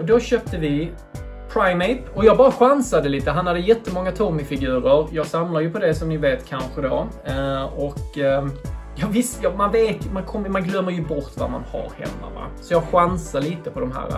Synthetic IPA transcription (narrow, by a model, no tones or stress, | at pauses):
d̪ɔɕøːp̚t̪əvɪ | pʰɾaɪmɛɪpɔjɑːɡ̚bɑːɾaɧansad̪əliːt̪əɦanhad̪ːəjɛt̪ːəmɔŋːat̪ʰɔɾmɪfɪɡʉ̟ːɾəɾjɑːɡsamlaɾjɵpʰɔd̪ɛsɔmnɪveːt̪kʰanɧəd̪ɔ | ɔk | jɑːvɪst̪jɑmanveːt̪mankʰɔmːmanɡlœmːəɾjɵbɔɾt̪va̰ma̰nha̰ɾhɛ̰mːa̰va̰sɔjɑːɡɧansadliːt̪əpʰɔd̪ɔmɦæ̰ːɾa̰